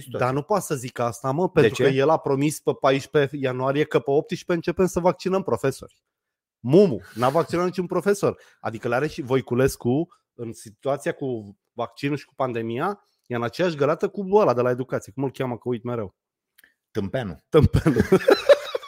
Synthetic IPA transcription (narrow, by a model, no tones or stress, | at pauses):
d̪anupoat̪səzikast̪aməpe̞nɾukəje̞lapɾo̞mispepaiʃʲpe̞januaɾije̞kəpeo̞p̚t̪iʃpeɨnt͡ʃe̞pemsəvak̚t͡ʃinəmpɾo̞fe̞so̞̰rʲ | mumunavak̚t͡ʃinat̪it͡ʃunpɾo̞fe̞so̞r | a̰d̪ikəleaɾeʃivo̞jkule̞sku | ɨnsit̪uat̪sijaku | vak̚t͡ʃinuʃi̥ku̥pand̪e̞mija | jeɨnat͡ʃe̞jaʃɡəlat̪əkubəlad̪e̞lae̞d̪ukat̪sije̞kumɨlkʲaməkəujt̪me̞ɾe̞w | t̪ɨmpenṵt̪ɨmpenu